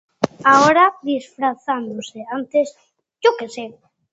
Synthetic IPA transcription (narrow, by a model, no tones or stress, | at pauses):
aoɾaðisfɾaθand̪oseant̪es | d͡ʒokese